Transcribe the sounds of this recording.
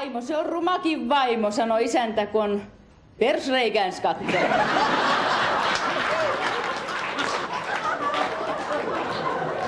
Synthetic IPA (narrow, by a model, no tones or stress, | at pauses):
imoseorrumɑkiʋʋɑimosɑnoisænt̪ækon | persreikænskɑt̪ːel